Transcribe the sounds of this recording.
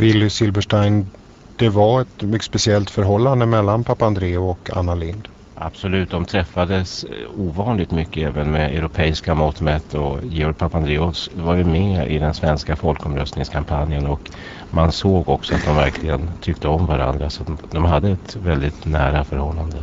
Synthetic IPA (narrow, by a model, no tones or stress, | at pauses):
vɪlːsɪlbəʂʈajn | d̪̥ɛvaɛt̪mʏspɛsɪɛlt̪fœɾɦɔlːand̪əmɛlːanpʰapːaand̪ɾeːʊɔka̰nːalɪnd̪ | ʔa̰b̥sɔlʉ̟ːt̪̚d̪ɔmt̪ʰɾɛfːad̪əsuːvɑːnlɪɡ̚t̪mʏkːəɛːvənmɛɛ̰ʊɾʊpʰɛːɪskamɔt̪mɛt̪ʰːɔjɪːɔɾɡ̚pʰapːand̪ɾeːʊvaɾjɵmɛɪ̰d̪ɛnsvɛnskafɔlkɔmɾœ̰st̪nɪŋskʰampʰanjənɔk | mansoːɡɔksɔat̪̚d̪ɔmvæɾkʰlɪɡənt̪ʰʏk̚t̪əɔmvaɾa̰nd̪ɾasat̪d̪ɔmɦad̪ːəɛt̪vɛld̪ɪt̪næ̰ːɾafœɾhɔlːand̪ə